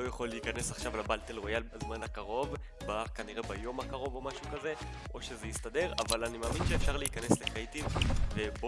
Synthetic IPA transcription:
ojaχo̞leːkane̞saχʃavlabaltelʁojazmanakaʁo̞v | bakaniʁe̞bajo̞mhakaʁo̞vo̞maʃukaze̞ | ʔo̞ʃe̞zejistade̞ʁavalanimeːminʃeːfʃaʁleikane̞slekʁejtimveb

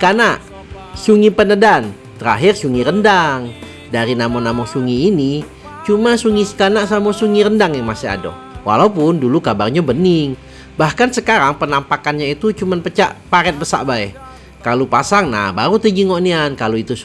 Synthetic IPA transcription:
kanaʔ | suŋipənədan | t̪əɾa̰ɦɪrsuŋiɾəndaŋ | daɾinamɔnamɔsuŋiːni | t͡ʃumasuŋisə̥kanaʔsamosuŋiɾəndaŋjaŋmasia̰dɔ̰ | wʔa̰laupʊndulukabarɲabənɪŋ | bahkansəkaɾaŋpənampakanɲait̪ut͡ʃumanpət͡ʃa̰ʔpaɾɛt̪̚bəsa̰ʔbaɛ | kalopasaŋna̰hba̰ɾut̪əɡiŋoʔniankaloit̪u

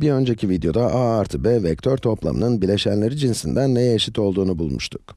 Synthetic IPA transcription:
biø̞nd͡ʒe̞cʰivid̪jo̞d̪aʔaaɾt̪ʰɯbɛvɛct̪ʰøɾt̪ʰo̞plˠa̰mɯ̰nɯnbiɾlʲe̞ʃænlʲe̞ɾid͡ʒinsind̪ænːejɛːʃit̪ʰo̞lˠd̪uːnubulˠmuʃt̪ʰu̥k

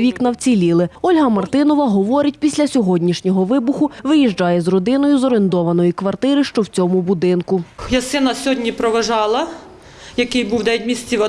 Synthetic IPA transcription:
ʋʲiknɐwt͡sʲilʲilˠɪɔlʲɦɐmɐrt̪ɪnɔʋɐɦɔʋɔɾɪtʲpʲisʲlʲɐsʲɔɦɔdʲnʲiʃnʲɔɦɔʋɪbʊxʊʋɪjiʒd͡ʒɑjɛzrɔd̪ɪnɔjʊzɔɾent̪ɔʋɐnɔjikʋɐrt̪ɪɾɪʃt͡ʃɔwt͡sʲɔmʊbʊd̪ɪnkʊjɐsɪnɐsʲɔɦɔdʲnʲipɾɔʋɐʒɑlˠɐ | jɐkɪjbuwd̪ɛʋʲit̪̚ʲmʲist͡sʲiʋɐ

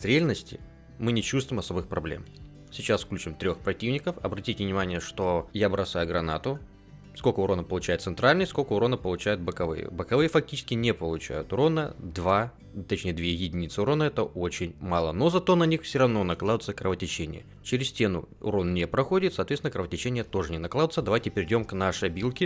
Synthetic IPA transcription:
sɾʲalʲnəsʲtʲɪ̰ | mɨnʲɪt͡ɕust̪vʊvɪmɐso̞bɨxpɾɐblʲḛm | sʲɪt͡ɕasfklʲʉt͡ɕɪmt̪ɾʲo̞xpɾɐtʲivnʲɪkəfɐbɾɐtʲitʲɪvnʲɪmanʲɪjəʂt̪o̞jabɾɐsajʊɡɾɐnat̪ʊ | skokəʊɾo̞nəpəlˠʊt͡ɕæjɪt̪t̪sɨnt̪ɾalʲnɨsko̞lʲkəʊɾo̞nəpəlˠʊt͡ɕæjʊt̪̚bəkɐvɨ̰jə̰bəkɐvɨjəfɐk̚tʲi̥t͡ɕɪskʲɪnʲepəlˠʊt͡ɕæ̰jʊ̰t̪ʊɾo̞nəd̪va | t̪ɐt͡ɕnʲejd̪vʲejɪdʲɪnʲit̪sɨʊɾo̞nəɛt̪əo̞t͡ɕɪnʲmalˠəno̞zɐt̪o̞nɐnʲixfsʲɪɾɐvno̞nɐklˠad̪ʊt̪səkɾəvətʲɪt͡ɕenʲɪ̰jə̰ | t͡ɕɪɾʲɪsʲtʲe̞nʊ̰ʊ̰ɾo̞nnʲepɾɐxo̞dʲɪt̪sɐːt̪vʲet̪ʲnəkɾəvətʲɪt͡ɕenʲɪjət̪o̞ʐɨnʲɪnɐklˠad̪ʊt̪səd̪ɐvajtʲɪpʲɪɾʲɪdʲo̞mknaʂɨjɐbʲilˠkʲɪ

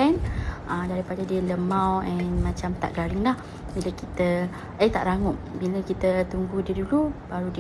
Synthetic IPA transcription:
anəmdaɾipadadiələmãwɛnmãt͡ʃamt̪a̰ʔɡaɾɪŋlah | bilakit̪ə | əjt̪a̰ʔɾaŋʊʔ | biləkit̪ət̪uŋɡudiədulub̥aɾudi

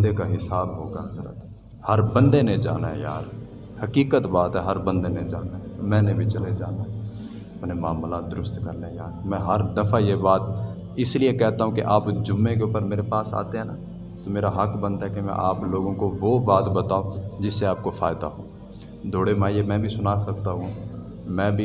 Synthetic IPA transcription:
nd̪ekaɦɪsaːbɦoːɡaxɐɾə̰t̪ | hɐɾbə̃nd̪ened͡ʒaːna̰ɦɛ̰ja̰ːɾ | hɐkiːkət̪baːt̪ɦɛɦɐɾbə̃nd̪ened͡ʒaːnaɦɛmɛ̃ːnebʱit͡ʃɐled͡ʒaːnaɛ | ɐpnemaːmlad̪ʊɾʊst̪kɐɾneja̰ːɾmɛ̃ːɦɐɾd̪ɐfʰajebaːt̪̚ | ɪsliekɛɦt̪aɦũkḭʔaːpd͡ʒʊmːẽkeʊːpəɾmeːɾepaːsa̰ːt̪eɦɛ̃na | t̪omeːɾaɦɐkbɐ̃nt̪aɦɛkemɛ̰̃ʔaːploːɡõkoʋobaːt̪bɐt̪aːod͡ʒɪsːeaːp̚kofʰaːɪd̪a̰ɦõː | d̪ʱoːɽemaːiemɛ̃ːbʱisʊnasɐkt̪aɦũ | mɛ̃ːbʱi

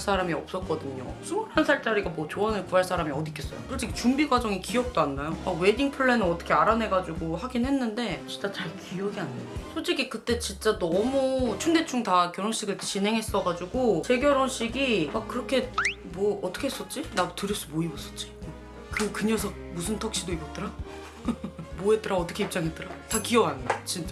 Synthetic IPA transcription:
s͈ʰaɾamiʌ̰p̚s͈ʌt̚k͈ʌdɯɲo̰sʰumuɾɦansʰaɭt͡ɕ͈aɾiɡamwʌt͡ɕoʌnɯɭkuaɭs͈ʰaɾamiʌdikʰes͈ʌjo̰sʰod͡ʑik̚t͡ɕumbiɡwad͡ʑʌŋikiʌk̚t͈oanːajomakwediŋpʰɯɭːe̞nɯnʌt͈ʌ̥kʰeaɾane̞ɡad͡ʑuɡohaɡinɦe̞nːɯnde̞t͡ɕint͡ɕ͈at͡ɕaɭkiʌɡianːɯosʰod͡ʑiɡikɯt͈e̞t͡ɕint͡ɕ͈anʌmut͡ɕʰunde̞t͡ɕʰuŋtakjʌɾonɕ͈iɡɯɭt͡ɕinɦe̞ŋɦe̞s͈ʌɡad͡ʑuɡot͡ɕe̞ɡjʌɾonɕ͈iɡimakkːɯɾʌkʰe̞ | mwʌːt͈ʌ̥kʰeɦes͈ʌt̚t͡ɕ͈inadotɯɾjʌs͈umoibʌs͈ʌ̥t̚t͡ɕ͈i̥ | kɯkɯɲʌsʰʌmusʰɯntʰʌk̚ɕ͈idoibʌt̚t͈ɯɾa | moɦe̞t͈ɯɾaʌt͈ʌkʰeip̚t͡ɕ͈aŋɦe̞t͈ɯɾatakiʌɡanat͡ɕint͡ɕ͈a

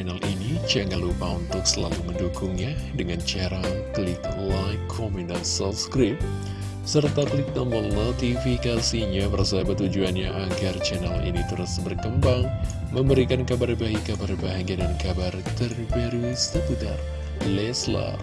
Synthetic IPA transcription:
nalʔinit͡ʃaŋalupaunt̪ʊksəlaluməndukʊŋɲadəŋant͡ʃaɾaklit̪̚lakʰɔmunəlsɔlskɾip̚ | sərt̪akəlit̪̚nambɔlnot̪ifikasiɲaməɾasabət̪ud͡ʒuanɲaʔaɡart͡ʃɛnalḭnit̪uɾasbərkəmbaŋ | məmbəɾikankabarbaikabarbaɦaŋadankabart̪ərnpɛɾist̪əput̪a̰r | lɛsla̰r

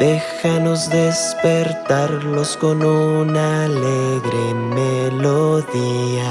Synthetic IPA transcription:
d̪̥e̞xano̞zðe̞spe̞ɾt̪aɾlo̞sko̞nunale̞ɣɾe̞melo̞ðia

